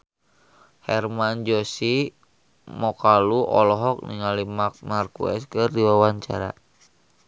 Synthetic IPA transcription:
hɛrmand͡ʒɔsi | mɔkaluʔɔ̰lɔɦɔk̚nḭŋalimak̚markṵɛ̰skɨrdiwawaɲt͡ʃa̰ɾa̰

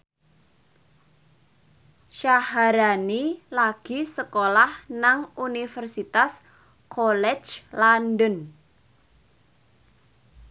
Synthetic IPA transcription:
ʃahaɾanilaɡ̥i̤səkolahnaŋunifərsit̪as | kʰolɛ̥d͡ʒlandən

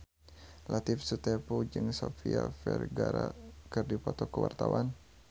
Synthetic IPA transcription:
lʔat̪ɪfsut̪ɛpud͡ʒɨŋsofiafɛrɡaɾakɨrdipɔt̪ɔkəwart̪awan

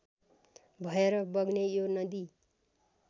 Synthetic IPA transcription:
bʱʌeɾʌbʌɡnejonʌd̪i

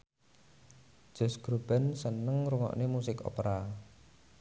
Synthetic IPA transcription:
ʒ̥ɔ̤sɡ̥ɾob̥ɛ̤nsənəŋɾuŋɔ̰ʔnemusɪkɔ̰pɾa

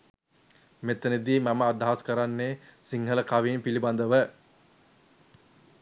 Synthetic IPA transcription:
met̪ːened̪iːmaməad̪aɦaskəɾanːeːsiŋɦələkaʋiːmpiliband̪əʋə

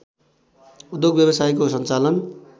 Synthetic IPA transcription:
ud̪joɡbjʌbʌsajkos̬ʌnt͡salʌn

